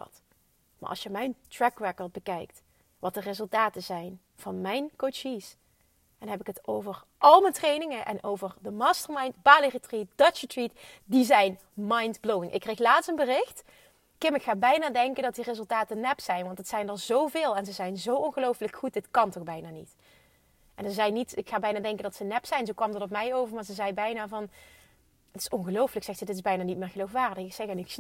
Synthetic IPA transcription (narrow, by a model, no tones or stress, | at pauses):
t | ma̰ʔɑ̰sjəmɛjntrɛkrɛkɔɹd̚bəkɛjk̚t | ʋɑtdərɪzɵlˠtaːtəzɛjn | v̥ɑnmɛjnkot͡ʃis | ɛnɦɛpɪkətowvər | ʔɑlˠmətrejnɪŋəʔɛ̰nowvərdəmaːstəɹmɑjntb̥aːliritrit̚d̥ɑt͡ʃətritdizɛjn | mɑjntblowɪŋʔɪ̰kːrejxlaːtstənbərɪxt | kɪmɪkxaːbɛjnaːdɛŋkəndɑt̚direzɵlˠtaːtənɛpsɛjnʋɑntətsɛjndɑnzowvɪːlˠɛnzəzɛjnzowʔɔnɣəlowfləkxut̚dɪtkɑntɔxbɛjnaːnḭt | ʔɛnəzɛjnitɪkxaːbɛjnaːdɛŋkəndɑtsənɛpsɛjnzowkʋɑmdərɔpmɛjowvəɹmaːɹzəzɛjbɛjnaːvɑn | ətɪ̥sɔnɣəlowfələksɛxtsədɪtɪzbɛjnaːnit̚mɪːɹɣəlowfʋaːrdəxksɛɣɛnɪks